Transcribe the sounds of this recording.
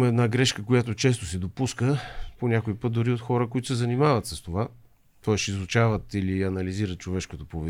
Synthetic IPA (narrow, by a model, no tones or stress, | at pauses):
mɐɛd̪naɡɾɛʃkəkojat̪ot͡ʃɛs̬t̪osɛd̪opuskəponʲakoipət̪̚d̪ʊɾiot̪xɔɾəkoit̪oʊsɛzɐnimavət̪səst̪ova | t̪ɔɛsizʊt͡ʃavət̪iliɐnɐliziɾət̪̚t͡ʃovɛʃkot̪opovɛ